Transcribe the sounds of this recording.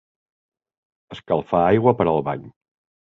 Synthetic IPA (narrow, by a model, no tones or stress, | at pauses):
əskəlˠfaajɣwəpəɾəlˠβa̰ɲ